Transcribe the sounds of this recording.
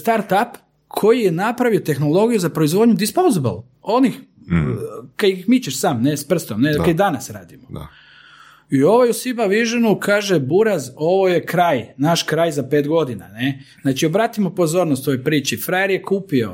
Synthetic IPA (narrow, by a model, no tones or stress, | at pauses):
st̪aɾt̪ap | kʰo̞jijenapɾaʋiot̪e̞xnolˠo̞ɡijuzapɾo̞izʋo̞d̪ɲud̪ispowzibə̰lˠ | o̞nix | kaixmit͡ʃeʃsaːmnespr̩st̪omnekaid̪anasɾa̰ːd̪imo̰ | io̞ʋojusibaʋiʒenukaːʒebuɾazo̞ʋo̞jekɾaːjnaʃkɾaːjzapeːt̪ɡod̪ina̰nez̥naːt͡ʃiobɾaːt̪imopo̞zo̞ːɾnost̪ojopɾiːt͡ʃifɾajeɾjekuːpio̞̰